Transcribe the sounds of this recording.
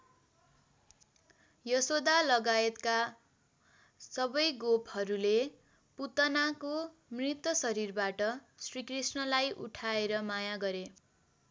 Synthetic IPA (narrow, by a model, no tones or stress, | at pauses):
jʌsod̪alʌɡaet̪ka | sʌbʌjɡophʌɾule | put̪ʌnako | mrit̪ːʌsʌɾirbaʈʌsrikrisnʌlajʔṵʈʰaeɾʌmajaɡʌɾe